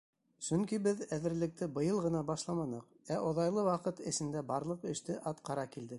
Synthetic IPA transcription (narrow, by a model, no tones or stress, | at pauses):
sɵŋkibɘðæðɘ̆ɾlɘ̆k̚t̪ɘbɤ̆jɤlˠʁɤ̆nɑbɑʃlˠɑmɑnɤq | æʔŏðɑjlˠɤwɑqɤt̪ɘ̆sɘ̆nd̪æbɑɾlˠɤqɘ̆ʃt̪ɘʔɑt̪qɑɾɑkild̪ɘk̚